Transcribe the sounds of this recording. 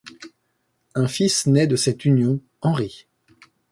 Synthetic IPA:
ɛ̃fisnɛd̪əsɛt̪ynjɔ̃ | ɑ̃ʁi

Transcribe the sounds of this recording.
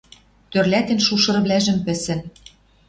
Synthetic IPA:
t̪ørlʲæt̪ĕnʃuʃɤ̆r̆βlæʒɘ̆mpɘ̆sɘ̆n

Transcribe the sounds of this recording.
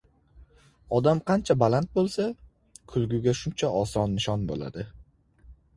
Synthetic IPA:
ɒd̪amqʰɑnt͡ʃʰabalant̪̚bolˠsa | kʰʊlˠɡʲʊɡʲaʃʊnt͡ʃʰaʔɒsɒnːɪʃɒnbo̰la̰d̪ɪ

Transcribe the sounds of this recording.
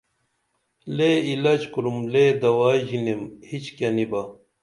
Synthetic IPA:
leilɐd͡ʑkuɾumleːd̪ɐwaːʑinemhit͡ɕkɐnibɐ

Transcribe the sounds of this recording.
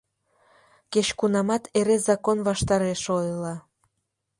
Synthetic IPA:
ket͡ɕkunɑmɑt̪ʰeɾezɑkonβɑʃt̪ɑɾeʃojəlɑ

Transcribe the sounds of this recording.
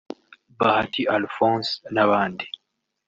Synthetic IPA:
bahatʰiʔalfɔ̃ːsnaβaːndi

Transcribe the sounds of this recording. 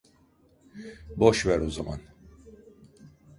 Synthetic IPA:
boʃvæɾozama̰n

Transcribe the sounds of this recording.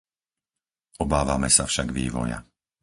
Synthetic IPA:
ɔbaːʋamɛsafʃaɡʋiːʋɔ̰ja̰

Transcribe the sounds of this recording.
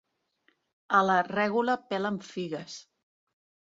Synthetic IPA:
ələrɛɣuləpɛləɱfiɣəs

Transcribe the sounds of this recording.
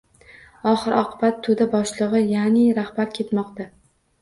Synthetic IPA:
ɒχɨɾɒ̰qʰɨbat̪ʰːod̪abɒʃlˠɨʁɨjanɪɾahbaɾkʲʰe̞t̪mɒqt̪a

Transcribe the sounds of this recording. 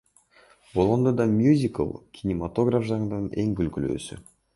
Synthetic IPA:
bolˠond̪od̪ɑmʲjuzʲɪkə̰lˠkʲʰinʲɪmat̪o̞ɡrafʒɑŋɯnne̞ŋɡylkylø̰ːsy̰

